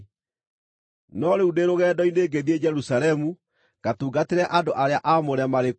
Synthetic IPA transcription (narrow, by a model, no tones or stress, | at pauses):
nɔɾeudeɾoɣɛːdɔineːɡeðied͡ʒɛɾusaɾɛmu | ɡ̥atuːɡateɾɛʔandoʔaɾeaʔamoɾɛmaɾe